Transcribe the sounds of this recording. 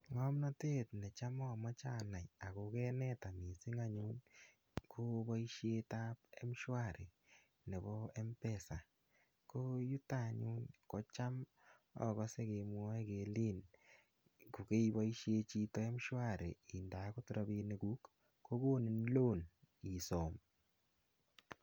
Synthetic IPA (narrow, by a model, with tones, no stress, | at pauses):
ŋɔ˦mnɔ˦te˦tnɛ˨t͡ʃa˦mɔ˦˨mɔ˦t͡ʃa˦na˨ja˨ko˨kɛ˦nɛ˦ta˨mi˨si˦ŋa˦ɲu˦n | kʰo˦ba˦i˦ʃje˦ta˦pe˦mʃwa˦˨ɾʔe˨ | ne˨bɔ˦ɛ˦mpɛ˦˨sa˨ | ko˦ju˦ta˦ɲu˦nkɔ˨t͡ʃa˦m | ɔ̰˦kɔ˦se˦ke˨mwɔ˦ɛ˦ke˨li˦n | ku˨ke˦ibɔ˦iʃje˧t͡ʃi˦tɔ˦e˦mʃwa˦˨ɾʔḛ˨i˨nda˨ko˦tu˨ɾa˨˧bi˧ne˨ku˦kː | o˦ɡo˦ni˨nlo˦˨n | i˨sɔ˨m